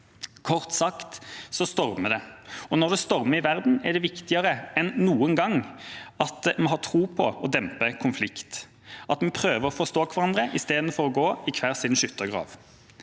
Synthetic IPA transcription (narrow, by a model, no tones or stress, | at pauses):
kʰɔʁt̪sɑkt̪sɔst̪ɔʁməd̪ɛɔnɔʁd̪ɛst̪ɔʁməɪʋæʁd̪n̩ɛʁɖ̪ɛʋɪkt̪ɪɑʁəɛnːuːənɡɑŋɑt̪mɛɦɑːt̪ʰʁuːpʰɔɔd̪ɛmpəkʰʊnflɪkt̪ | ɑt̪mɛpʰʁøːʋəʁɔfɔʁst̪oːkʰʋɑʁɑnd̪ʁəʔɪst̪eːd̪n̩fɔʁɔɡoːɪkʰʋæːʁsɪnʃʉt̪ːəɡʁɑ̰ːʋ